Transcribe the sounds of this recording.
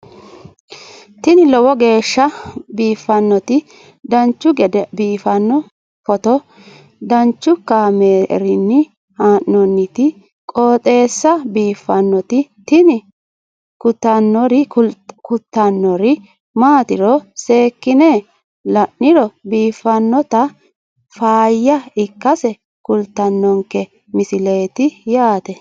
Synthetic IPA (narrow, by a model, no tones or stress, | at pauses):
t̪ɪnɪlɔwɔɡe̞ːʃːɐbiːfːɐnːɔt̪ɪ | d̪ɐnt͡ʃːʊɡɛd̪ɛbiːfɐnːɔ | pɔt̪ɔ | d̪ɐnt͡ʃːʊkːameːɾɪnːɪ | haːʔːɔnːɪt̪ɪ | kʼoːt̪ʼe̞ːsːɐbiːfːɐnːɔt̪ɪt̪ɪnɪ | kʊt̪ːɐnːɔɾɪkʊt̪ːɐnːɔɾɪ | maːt̪ɪɾɔse̞ːkːɪne | lɐʔːɪɾɔbiːfːɐnːɔt̪ɐ | faːjːɐɪkːɐsɛ | kʊlt̪ːɐnːɔŋkɛ | mɪsɪle̞ːt̪ɪjaːt̪ɛ